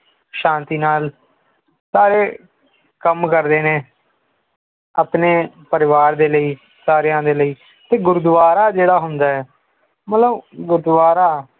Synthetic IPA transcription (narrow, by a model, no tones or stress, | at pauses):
ʃãːnt̪iːnaːl | saːɾeː | kəmkəɾd̪eːneː | aːpneː | pəɾɪʋaːɾd̪eːləiː | saːɾjãːd̪eːləiː | t̪eːɡʊɾd̪ʋaːɾaːd͡ʒeːɽaːɦʊnd̪aːɛː | mət̪ləbɡʊɾd̪ʋaːɾaː